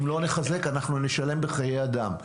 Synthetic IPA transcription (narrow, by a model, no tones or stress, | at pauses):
imlo̞neχaze̞kanaχnuneʃale̞mbeχajejad̪am